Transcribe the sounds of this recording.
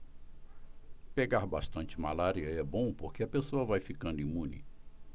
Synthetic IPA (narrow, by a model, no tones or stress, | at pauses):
peɡaɾbaʃt̪ɐ̃nt͡ʃɪmalaɾiɐɛbõpoɾkeɐpesoɐvajfikɐ̃nd̪ĩmũnɪ̰